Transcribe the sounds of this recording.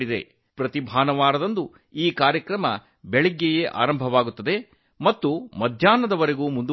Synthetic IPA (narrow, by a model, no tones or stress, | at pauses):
ɽid̪e̞̰ | pɾɐt̪ibʱaːnɐʋaːɾɐd̪ɐnd̪u | iːkaːɾjɐkɾɐmɐ | beɭɛɡːejeʔa̰ːɾɐmbʱɐʋaːɡut̪ːɐd̪e̞ | mɐt̪ːumɐd̪ʱjaːnɐd̪ɐʋɐɾe̞ɡuːmund̪u